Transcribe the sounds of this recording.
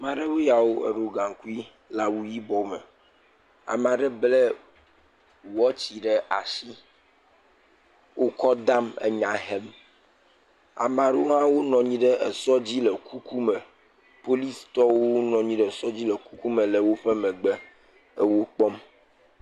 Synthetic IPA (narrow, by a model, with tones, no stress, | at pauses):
mã˨ɖe˦we˦ja˨wo˦ḛ˨ɖo˨ɡa˨ŋku˦i˦ | la˨wu˦ji˦bɔ˨mḛ˨ | a̰˨m˨ã˨ɖə˦ble˦ | wɔ˦t͡ɕi˨ɖɛ˦ʔa˨si˦ | wo˦kɔ˦d̪a˦mḛ˨ɲã˨ɦɛ˦m | a̰˨m˨ã˨ɖe˦wo˦ɦã˦wo˦nɔ̃˨ɲĩ˦ɖə˦ʔḛ˨sɔ˦d͡ʑi˦lə˨kʰu˦kʰu˦mɛ̃˨ | po˦li˦st̪ɔ˦wo˦nɔ̃˨ɲĩ˦ɖɛ˦˨sɔ˦d͡ʑi˦lə˨ku˦ku˦mə˨lə˨wo˦ɸe˦mɛ̃˨ɡ͡bɛ˦ | ə˦wo˦k͡pɔ˦m